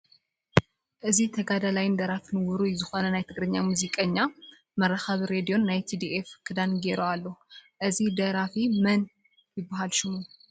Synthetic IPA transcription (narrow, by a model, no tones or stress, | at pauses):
ʔɨziht̪ʰəɡad̪alajɪnd̪əɾafinɨwɔɾujɛzɨhonənajɛt̪ʰɨɡɾɨɲːamuzikʼəɲːa | məɾːaxaβɾed̪ijo̞nːajɛt̪ʰid̪iʔefkʰɨd̪anɡeɾəwalːəhuʔɨzihd̪əɾafimən | jɪbaɦalʃɪmu